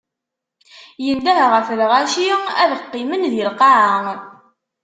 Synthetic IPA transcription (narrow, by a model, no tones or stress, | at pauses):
jənd̪æhʁəfɾʁaʃiæðəqːɪmənðilqɑʕəŋ